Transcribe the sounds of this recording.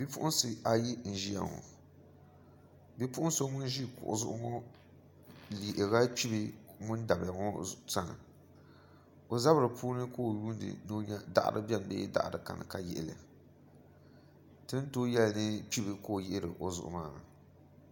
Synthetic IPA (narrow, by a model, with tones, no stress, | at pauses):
bi˦pʊ˦ʔʊ˦n˦sɨ˦a˨ji˦n̩˨ʒi˦ja̰˨ŋɔ̰˨ | bi˦pʊ˦ʔʊ˦so˦ŋʊ˦n˦ʒi˦kʊ̰˨ʔʊ̰˨zʊ˦ʔʊ˦ŋɔ˦ | li˨ʔɪ˨ɣa˦pi˦bi˦ŋʊ˦n˦da˨bja˨ŋɔ˦sa˦nɨ̰˨ | o˨za˦bɾɨ˨pʰuː˦nɨ˦ko˦˨ju˦n˦dɨ̰˨no˦ɲa˦da̰˦ʔa̰˦ɾɨ̰˦bɛ˦n˨bḛ˦da̰˦ʔdɨ˨ka̰˨nɨ̰˨ka˦jɛ̰˦ʔɪ˨lɪ̰˨a˨ | tɨ˦n˦to˦jɛ˦lnɨ˦pi˦bɨ˨ko˦˨jɪ˦ʔɪ˦ɾɨ̰˨ʔo˦zʊ̰˨ʔʊ̰˦maː˦˨na˨